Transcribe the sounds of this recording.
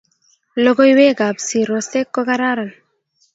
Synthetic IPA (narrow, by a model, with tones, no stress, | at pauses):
lo˦ɡo˦jwe˦ɡa˨bsi˨ɾo˨st̪e˦kːo˦ɡaɾa˦ɾa˨n